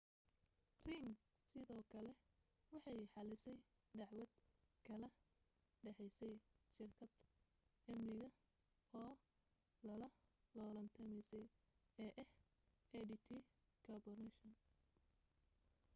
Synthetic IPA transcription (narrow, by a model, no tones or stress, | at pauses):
riːŋ | sɪðɔːkʰɐlɛ | wɑħɑjħɑlɪsɛj | d̪ɑʕwɐd̪̚kʰɐlɐ | ɖɛħɛjsɛjʃɪrkʰɐd̪ | ɐmnɪɣɐ | ɔː | lɐlɐlɔːlɐnt̪ʰɐmɛjsɛj | ɛːʔɛh | ɛɖit̪ʰiː | kʰɐbɐrnɛʃɐn